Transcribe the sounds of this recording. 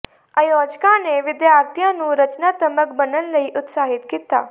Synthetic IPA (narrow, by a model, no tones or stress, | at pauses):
aːjoːd͡ʒkãːneːʋɪd̪jaːɾt̪ijãːnũːɾət͡ʃnaːt̪əməkbənənləiːʔʊt̪saːɦɪt̪kiːt̪a̰ː